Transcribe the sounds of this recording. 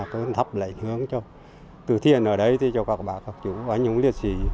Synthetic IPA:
kɨ˨˦nt̪ʰə˨˦˩p̚la̰˧˨ɲhɨ˨˦əŋt͡ɕɔ˧ | t̪ɨ˨˩t̪ʰi˧˨ənʔəː˧˩ɗə˨˧˦jt̪ʰi˨˩t͡ɕɔ˧˩kɔ˨˧˩ɓaː˧˨˩kɔ˨˧˩k̚t͡ɕu˧˦waː˨˦ɲu˨˧˦ŋ͡mli˧˩ət̚si˧˩

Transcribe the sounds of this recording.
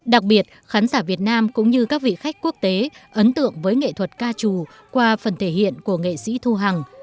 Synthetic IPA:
ɗa˨˩k̚ɓi˨˩ət̚xaː˨˦nsaː˧˩vi˨˩ət̚naː˧mkʊ̰˧˥ŋ͡mɲɨ˧kaː˦˥k̚vḭ˧˨xa˦˥jk̟̚ku˦˥ək̚t̪e˨˦ʔə˨˦nt̪ɨ̰˧˨əŋvəː˨˦jŋḛ˧˨t̪ʰwə˨˩t̚kaː˧t͡ɕu˨˩ | kwaː˧fə˨˩nt̪ʰe˧˩hḭ˧˨ənku˧˩əŋḛ˧˨sḭ˧˥t̪ʰu˧ɦa˨˩ŋ

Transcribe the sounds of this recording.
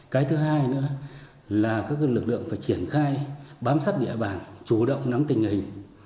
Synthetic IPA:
kaː˨˦jt̪ʰɨ˨˦ɦaː˧jnɨ̰˧˥ə | laː˨˩kaː˦˥k̚lɨ˨˩k̚lɨ̰˧˨əŋfaː˧˩jt͡ɕi˧˩ənxaː˧jɓaː˨˦msaː˦˥p̚ɗḭ˧˨ɓaː˧˩nt͡ɕu˧˩ɗə̰˧˨wŋ͡mna˨˦ŋt̪ï˨˩ŋ̟hï˨˩ŋ̟

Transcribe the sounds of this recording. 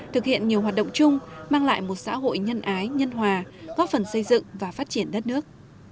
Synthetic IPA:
t̪ʰɨ˨˩k̚hḭ˧˨ənɲi˨˩əwɦaː˨˩t̚ɗə̰˧˨wŋ͡mt͡ɕʊ˧ŋ͡mmaː˧ŋla̰ː˧˨jmo˨˩t̚sa̰ː˧˥ɦo̰˧˨jɲə˧nʔaː˨˦jɲə˧nɦwaː˨˩ɣɔ˨˦fə˨˩nsə˧jzɨ̰˧˨ŋvaː˨˩faː˦˥t̚t͡ɕi˧˩ənɗə˦˥t̚nɨ˦˥ək̚

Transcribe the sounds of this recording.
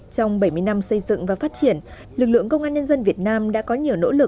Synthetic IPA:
t͡ɕɔ˧wŋ͡mɓə˧˩jmɨ˧əjna˧msə˧jzɨ̰˧˨ŋvaː˨˩faː˦˥t̚t͡ɕi˧˩ən | lɨ˨˩k̚lɨ̰˧˨əŋkə˧wŋ͡mʔaː˧nɲə˧nzə˧nvi˨˩ət̚naː˧mɗa̰ː˧˥kɔ˨˦ɲi˨˩əwno̰˧˥lɨ˨˩k̚

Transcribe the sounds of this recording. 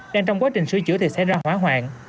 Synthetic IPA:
ɗaː˧ŋt͡ɕɔ˧wŋ͡mkwaː˨˦˥t͡ɕï˨˩ŋ̟sɨ˧ət͡ɕɨ̰˧˥ət̪ʰi˨˩sɛ˧˥jzaː˧hwaː˨˦˥ɦwa̰ː˧˨˩ŋ

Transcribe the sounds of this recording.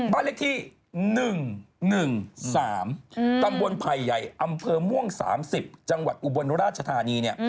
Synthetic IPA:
baː˥˩le˥˨t̪ʰiː˥˩ | nɯ˨˩ŋnɯ˨˩ŋsaː˩˦mk̪a˧mbo˧npʰa˨˩jːa˨˩jʔa˧mpʰɤː˧mu˥˩əŋsa̰ː˩˦msi˨˩p̚t͡ɕa˧ŋwa̰˨˩t̪̚ʔu˧˩bo˧nɾaː˥˩t̪̚t͡ɕʰa˧t̪ʰaː˧niː˧ni˥˩ɐ

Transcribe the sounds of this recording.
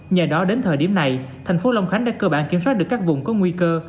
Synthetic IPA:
ɲa˨˩jɗɔ˨˦ɗe˨˦nt̪ʰəː˨˩jɗi˧˩əna˨˩jt̪ʰɛ˨˩jŋ̟fo˨˦la˧wŋ͡mxa˨˦ŋ̟ɗa̰ː˧˥kəː˧ɓaː˧˨nki˧˩əmswaː˦˥t̚ɗɨ˨˩əkaː˦˥k̚vʊ˧˨ŋ͡mkɔ˨˦ŋwi˧kəː˧

